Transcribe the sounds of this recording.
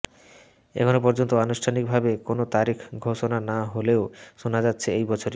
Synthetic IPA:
ḛkʰonopɔɾd͡ʑont̪oanusʈʰanik̚bʱabekonot̪aɾikʰɡʱoʃonanaɦoleoʃonad͡ʑatːɕʰeejbɔt͡ɕʰoɾi

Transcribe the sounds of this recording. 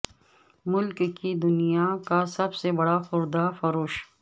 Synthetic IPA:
mʊlkkid̪ʊnijakasɐbsebɐɽaxʊɾd̪afɐɾoːʃ

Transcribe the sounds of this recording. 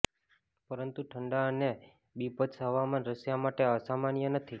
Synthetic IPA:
pəɾənt̪uʈʰəɳɖaəne | bipət̪sɦəʋamanɾəsjamaʈeəsamanjənət̪ʰi

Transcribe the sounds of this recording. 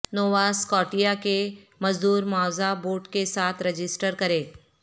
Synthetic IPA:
noːʋaːskɔːʈijake | mɐzd̪uːɾmaːzaboːɾʈkesaːt̪ʰɾɐd͡ʒɪsʈəɾkɐɾẽː

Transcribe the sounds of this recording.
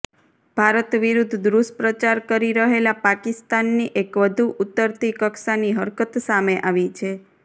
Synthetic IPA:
b̥ʱaɾət̪ʋiɾud̪ʱd̪ɾuspɾət͡ʃaɾkəɾiɾəɦelapakist̪anːiʔekʋəd̪ʱuʔut̪ːəɾt̪ikəksaniɦəɾkət̪sameʔaʋit͡ʃʰe

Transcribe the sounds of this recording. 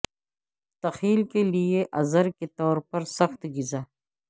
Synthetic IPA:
t̪ɐxiːlkelijeʔɐzɐɾket̪ɔːɾpɐɾsɐxt̪ɡizaː

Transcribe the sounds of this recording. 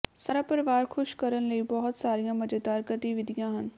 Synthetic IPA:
saːɾaːpəɾɪʋaːɾkʰʊʃkəɾənləibɔɦʊt̪saːɾijãːmɐd͡ʒəd̪aːɾɡət̪iʋɪd̪ʱijãːɦən

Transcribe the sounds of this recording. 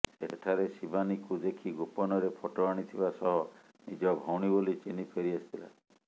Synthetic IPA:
ḛʈʰaɾesibanikud̪ekʰiɡopɔnɔɾepʰɔʈɔaɽ̃it̪ʰibasɔɦɔ | nid͡ʒɔbʱɔwɽ̃ibolit͡ʃinipʰeɾiasit̪ʰila̰

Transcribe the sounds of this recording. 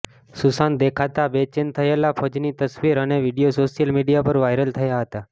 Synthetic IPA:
susand̪ekʰat̪abet͡ʃɪnt̪ʰəjelapʰəd͡ʒnit̪əsʋiɾəneʋiɽijosoʃijəlmiɖijapəɾʋajɾəlt̪ʰəjaɦət̪a

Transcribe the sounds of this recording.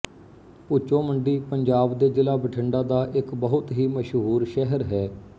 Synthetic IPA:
ʊt͡ʃːõːməɳɖiːpəɲd͡ʒaːbd̪eːd͡ʒɪlaːbəʈʰəɳɖaːd̪aːʔɪkbəɦʊt̪ɦiːməʃɦuːɾʃɛɦəɾɦɛː

